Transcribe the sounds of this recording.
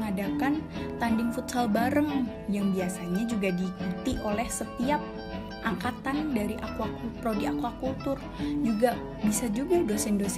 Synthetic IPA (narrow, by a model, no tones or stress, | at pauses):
ŋadakant̪andɪŋfut̪salbaɾəŋ | jaŋbiasaɲad͡ʒuɡadikut̪iʔolɛhsət̪iap̚ | ʔaŋkat̪andaɾiʔakwakult̪ɾodiakwakult̪ʊr | d͡ʒuɡa | bisad͡ʒuɡadosɛndos